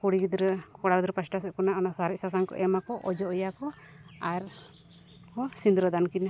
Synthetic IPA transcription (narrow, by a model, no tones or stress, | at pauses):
kuɽiɡid̪ɾɛkɔɽad̪ɾɛpasʈasɛʔ̚kɔnaɔnasaɾɛsas̬ankɔ̰ʔɛmakɔʔɔd͡ʒɔɔjakɔ | aɾ | kɔsind̪ɾɔd̪ankina